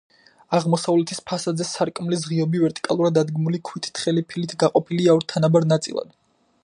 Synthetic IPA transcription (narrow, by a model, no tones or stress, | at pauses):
aʁmɔsavlɛt̪ʰispʰasad̪zɛsaɾkʼmlis̬ʁiɔbivɛɾt̪ʼi̥kʼalˠuɾad̪ad̪ɡmulikʰwit̪ʰi̥t̪ʰχɛlipʰilit̪ʰɡaqʼɔpʰiliaɔɾt̪ʰanabaɾnat̪sʼḭlˠa̰d̪̥